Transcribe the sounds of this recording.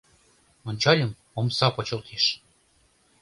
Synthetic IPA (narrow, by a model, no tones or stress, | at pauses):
onʲt͡ɕɑlʲə̆m | omsɑpɤt͡ɕɤ̆lt̪ʰeʃ